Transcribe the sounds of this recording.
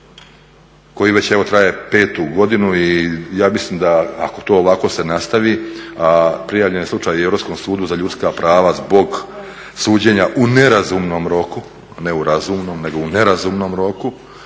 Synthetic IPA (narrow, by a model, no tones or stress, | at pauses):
ko̞jiʋe̞t͡ɕeʋo̞t̪ɾaje̞pe̞ːt̪uɡo̞d̪inuijaːmislˠiːmd̪aako̞t̪o̞ːoʋako̞se̞nast̪aʋiapɾijaːʋʎe̞njelˠut͡ʃaːjieɾo̞psko̞msuːd̪uzaʎut̪skapɾaːʋazbo̞ɡ | suːd͡ʑe̞ɲaʔuneɾazumno̞mɾo̞ku | ne̞uɾazuːmno̞mne̞ɡo̞une̞ɾazumno̞mɾo̞ku